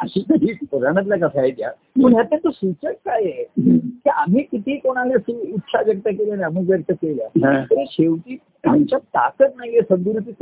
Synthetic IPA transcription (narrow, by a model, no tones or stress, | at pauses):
əɕiːk̪əɦiːpəɾaɽ̃ət̪̬lak̬əsʰajt̪ja̰ | məɳɦjat̪jat̪osut͡ɕəkkajekiam̤iːkit̪ʰiːkoɽ̃alesuit̪ʰsaʋjək̚t̪akelaniam̤ũːkʋjək̚t̪əkelja̰t̪əɾeɕeʋʈ̪iː | amt͡ɕjat̪a̰kət̪̚naɦiesənd̪uɾut̪it̪